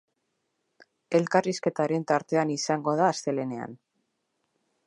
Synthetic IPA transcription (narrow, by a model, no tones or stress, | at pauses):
e̞lkariske̞t̪aɾe̞nt̪aɾt̪e̞anisaŋɡo̞ð̞aːst̪e̞le̞ne̞a̰n